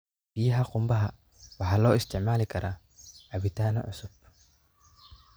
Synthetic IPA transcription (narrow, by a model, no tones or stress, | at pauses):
b̥ɪjɐɦɐqʊmbɐɦɐ | wɑħalɔːɪst̪ʰɪʕmaːlɪkʰɐɾaː | ʕabɪt̪aːnɐ̰ʕʊsʊb̚